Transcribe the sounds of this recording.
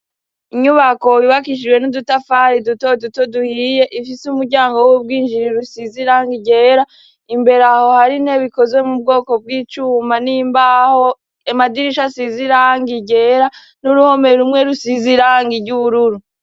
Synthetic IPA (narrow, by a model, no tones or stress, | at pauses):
iɲuβako̞iβakiʃ̬iwe̞nudutafaɾidutoduto̞duhije̞ʔifisumuɾɟaːŋɡo̞wub̚ɡiːnd͡ʒiɾiɾusiziɾaːŋɡiɟe̞ːɾa | imbe̞ɾaho̞haɾinhe̞βiko̞zwe̞mub̚ɡo̞ːko̞b̚ɡiːt͡ʃuːmanimbaho | emadiɾiʃasiziɾaːŋɡiɟe̞ɾa | nuɾuho̞me̞ɾumŋe̞ɾusiziɾaːŋɡiɾɟuβuɾuɾu